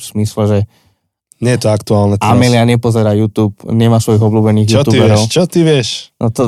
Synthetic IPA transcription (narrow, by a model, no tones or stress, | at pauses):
z̥mislɛʒɛ | ɲɪɛjɛt̪ɔakt̪uaːlnɛamɛlɪaɲɛpɔzɛɾaːjuːt̪uːpɲɛmaːsʋɔjiɣɔbluːbɛniːɣjuɔt̪uːbɛɾɔʊt͡ʃɔt̪iʋɪɛʃnɔt̪ɔ